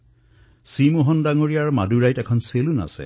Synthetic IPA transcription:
simoɦɔndaŋoɹijaɹmaduɹajtɛkʰɔnseluna̰sɛ̰

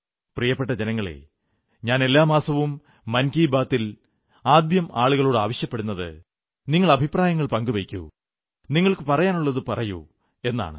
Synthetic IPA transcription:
prijɐpːeʈːɐd͡ʑenɐŋːɐɭḛ | ɲaːne̞lːaːmaːsɐʋumː | ɐnkiːbaːt̪ːil | aːd̪jɐmʔaːɭuɣɐɭoːɽɨaːʋɐɕjɐpːeɽunːɐðɨ̰ | niŋːɐɭɐbʱipraːjɐŋːɐɭpɐŋɡuʋejkʲːṵ | niŋːɐɭkɨpɐrɐjaːnuɭːɐðɨpɐrɐjṵ | e̞nːa̰ːɳɨ̰

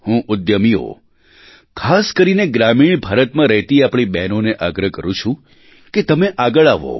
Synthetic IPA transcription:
hũʔʊd̪jəmiɦo̰ | kʰaskəɾineɡɾamiɳbʱaɾət̪mãɾəɦt̪iapɽ̃ibɛnoneʔaɡɾəkəɾũt͡ʃʰũ | ket̪əmeʔaɡəɭaʋo̰

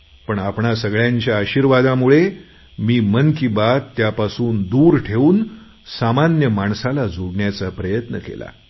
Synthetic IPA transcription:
pəɳapɳasəɡɭjaɲt͡ɕjaːɕiɾʋad̪amuɭe | miːmənkibat̪ːjapasuːnd̪uːɾʈʰeuːn | samanjəmaɳsalad͡zʱoɡɳjat͡sapɾəjət̪nəkḛla̰

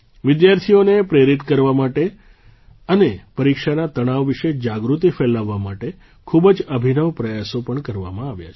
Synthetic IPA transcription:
ʋɪd̪jaɾt̪ʰionepɾeɾit̪kəɾʋamaʈe | ənepəɾikʃanat̪əɽ̃aʋːiʃed͡ʒaɡɾut̪ifelaʋːamaʈe | kʰubd͡ʒəbʱinəʋpɾəjasopəɳkəɾʋa̰mãaʋja̰t͡ʃʰ

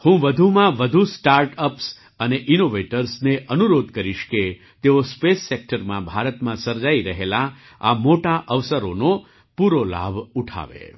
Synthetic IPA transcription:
hũʋəd̪ʱumãʋəd̪ʱusʈaɾʈəps | əneʔinoʋeʈəɾsneʔənuɾod̪kəɾiʃke | t̪eospesːek̚ʈəɾmãbʱaɾət̪mãsəɾd͡ʒaiɾəɦela | a̰moʈaʔəʋsəɾono | puɾola̰bʱuʈʰa̰ʋḛ

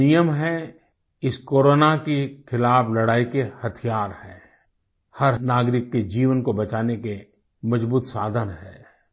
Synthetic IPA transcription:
ijəmɦɛ̃ | ɪskoːɾoːnakekʰɪlaːblɐɽaːikehɐt̪ʰijaːɾhɛ̃ː | hɐɾnaːɡɾɪkːed͡ʒiːʋənkobɐt͡ʃaːneke | mɐd͡ʒbuːt̪saːd̪ʱənɦɛ̃ː

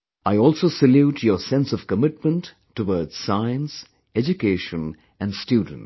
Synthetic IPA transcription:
aɪɔːlˠsoʊsəljuːtʰjəsɛ̃nsɔv̥kəmɪt̚mə̃ntː | əwɔːdz̥saɪə̃ns | ɛd͡ʒukeɪʃə̃n | æ̃nɖstjuːdⁿə̃n̩t

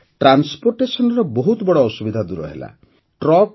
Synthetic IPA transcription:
ʈɾanspoɾʈesɔnɔɾɔbɔɦut̪ɔbɔɽɔːsubid̪ʱad̪uɾɔ̰ɦḛla̰ | ʈɾɔk

